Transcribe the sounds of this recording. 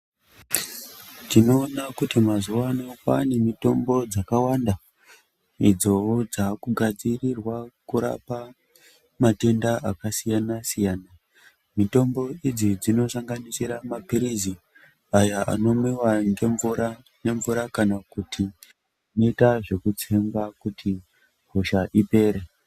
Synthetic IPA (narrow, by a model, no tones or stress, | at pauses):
tino̞ːnakutimazuwano̞pa̰ne̞mito̞mbo̞d͡zakawanda | id͡zo̞d͡zakuɡʱad͡zirirwakuɾa̰pa | mate̞ndaʔakasijanasijaːna | mito̞mbo̞id͡zid͡zino̞saŋɡanisiɾamapiɾizi | ajaʔa̰no̞mwiwaŋeua | ne̞ɱvuɾakanakutʰi | noitaʐe̞kut͡semɡakutʰi | ɦoʃaʔipe̞ːɾe